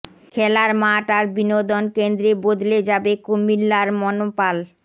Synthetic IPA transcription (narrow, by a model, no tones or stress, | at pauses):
kʰɛlaɾmaʈaɾbinod̪onkend̪ɾebod̪led͡ʑabekomilːaɾmɔnopal